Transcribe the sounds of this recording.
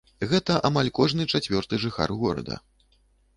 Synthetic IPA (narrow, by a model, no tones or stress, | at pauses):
ɣɛt̪ɐʔamalʲkɔʐnɨt͡ʂat͡sʲvʲɔrt̪ɨʐɨxa̰rɣɔɾɐ̰d̪ɐ̰